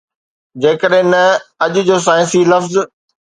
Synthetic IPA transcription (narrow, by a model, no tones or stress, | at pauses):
d͡ʑeːkəɗɦɪ̃nɐɐʄʊ̆d͡ʑoːs̬aːɪ̃nsilɐfz